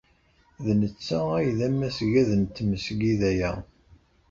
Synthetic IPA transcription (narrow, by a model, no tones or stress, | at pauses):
ðnət͡sːææjðæmːæsʝæðənt̪məsɡiðæjæ